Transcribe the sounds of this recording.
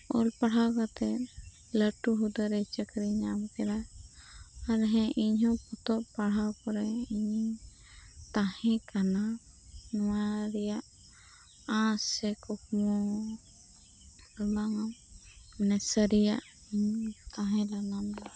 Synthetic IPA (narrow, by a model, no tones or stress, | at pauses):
ɔlpaɽ̤awkat̪ɛ | ləʈuɦud̪əɾɛt͡ʃəkɾiɲabkɛɾa | aɾɦɛ̃ʔiɲɦɔ̃pɔt̪ɔʔpaɽ̤awkɔɾɛiɲi | t̪ahɛ̃kana | nɔwaɾɛjaʔ | ãsɛkɔkmɔ | laŋam | nɛsəɾijaʔ | iɲt̪aɦɛ̃lanamd̪